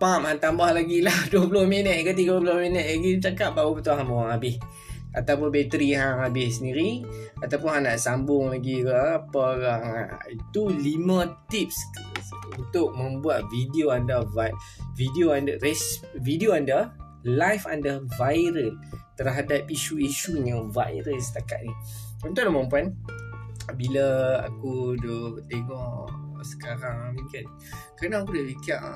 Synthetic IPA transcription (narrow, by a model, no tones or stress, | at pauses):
pamhãnt̪ambahlaɡilahduəpulʊhminət̪̚kət̪̬iɡapulʊhminət̪̚laɡit͡ʃakap̚baubət̪uɦambuŋaŋabɪh | a̰t̪awpʊnbet̪əɾiɦaŋabɪhsəndiɾiat̪awpʊnɦanaʔsambʊŋlaɡikaapəkaa̰it̪ulimə̃t̪ip̚skunt̪ʊk̚mə̃mbuat̪̚vidioandəvavidioandərɛsvidioandə | lajfandəvajɾənt̪ərɦadapiʃuiʃuɲãva̰jɾənsə̥t̪akat̪̚ni | unt̪ʊʔlamãmpuan | bilaa̰kudɔt̪eŋɔʔsə̥kaɾaŋmĩŋkan | kaɾnaːkudabikaʔ